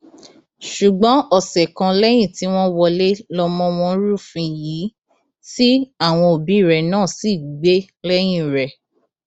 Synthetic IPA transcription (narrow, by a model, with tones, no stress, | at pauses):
ʃu˨ɡ͡bɔ̃˨˦ɔ˦˨sɛ˨kã˧lɛ˦j̃ĩ˦˨ti˨˦w̃ɔ̃˦wɔ˧le˦lɔ˧mɔ̃˦w̃ɔ̃˧˦ɾu˦˨fĩ˧ji˨˦ | ti˦a˦˨w̃ɔ̃˧o˨bi˨˦˨ɾɛ˨nãː˦˨si˨ɡ͡be˦ | lɛ˦j̃ĩ˦˨ɾɛ˨